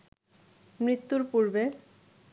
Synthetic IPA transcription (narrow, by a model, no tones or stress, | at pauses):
mɾit̪ːuɾpuɾbe